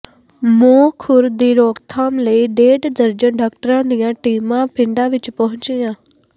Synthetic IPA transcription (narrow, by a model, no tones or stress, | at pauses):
moːkʰʊɾd̪iːɾɔːkt̪ʰaːmləiːɖeːɖd̪əɾd͡ʒənɖaːk̚ʈəɾãːd̪ijãːʈiːmãːpɪ̃ɳɖãːʋɪt͡ʃpɔɦʊ̃ɲt͡ʃijãː